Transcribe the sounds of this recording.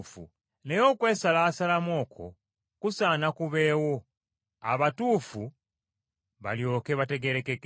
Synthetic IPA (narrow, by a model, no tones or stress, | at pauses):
fṵ | ne̞jo̞ːkwe̞ːsalaːsalamo̞ːkʰo̞̰ | kusaːnakuβe̞ːwo̞ | a̰βatuːfu | βa̰ljo̞ːke̞βate̞ɡe̞ɾe̞kek